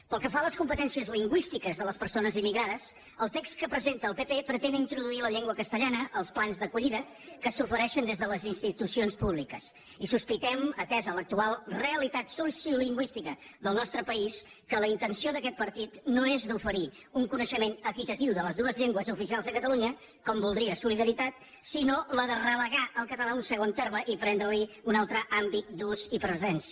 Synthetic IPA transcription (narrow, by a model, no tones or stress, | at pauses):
pəlˠkəfaləskumpət̪ɛnsiəzliŋɡwist̪ikəzðələspəɾsonəzimːiɣɾaðəs | əlˠt̪ekskəpɾəzent̪əːlˠpepepɾət̪enint̪ɾuðuiləʎeŋɡwəkəst̪əʎanəʔəlˠsplanzðəkuʎiðə | kəsufəɾɛʃənd̪ezðələzinst̪it̪usionspuβlikəs | isuspit̪ɛmət̪ɛzələk̚t̪ualˠreəlit̪at̪susiuliŋɡwist̪ikəðəlˠnɔst̪ɾəpəis | kələint̪ənsioðəkɛt̪̚pəɾt̪it̪noezd̪ufəɾi | uŋkunəʃəmenəkit̪ət̪iwðələzðuəzʎeŋɡwəzufisialˠzðəkət̪əluɲə | kɔmbulˠd̪ɾiəsuliðəɾit̪at̪̚ | sinoləðərələɣaʔəlˠkət̪əlaunsəɣont̪erməʔipɾɛnd̪ɾəliunalˠt̪ɾəʔambit̪̚d̪uzipɾəzɛns